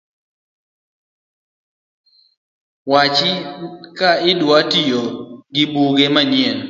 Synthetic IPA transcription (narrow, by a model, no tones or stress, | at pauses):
wat͡ʃɪkaɪdwatijoɡɪbuɡemaɲɛn